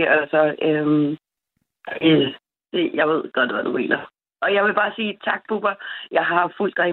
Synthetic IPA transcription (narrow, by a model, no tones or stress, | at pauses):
ælɐsɒ̽øm | d̥ejɑ̈ɪʋe̝ð̞̰ˠɡ̥ɒ̽d̥ˠʋæd̥ume̝̰ːnʔɐ | ʔɒ̽jɑ̈ɪʋe̝b̥ɑ̈ːsiːt͡sʰɑ̈ɡ̥̚b̥ub̥ɐjɑ̈ɪɦɑɑ̈ful̰d̥ʁɛɪ